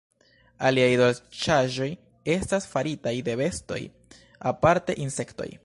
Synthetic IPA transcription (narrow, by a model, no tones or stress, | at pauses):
aliajdolt͡ʃaʒo̞j | e̞stasfaɾitajde̞ve̞sto̞̰j | apaɾte̞̰ʔinse̞kto̞̰j